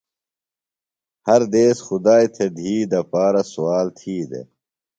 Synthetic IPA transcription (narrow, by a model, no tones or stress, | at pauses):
hɐɾd̪eːsxʊd̪aːjt̪ʰed̪ʱiːd̪ɐpaːɾɐsuwaːlt̪ʰiːd̪ḛ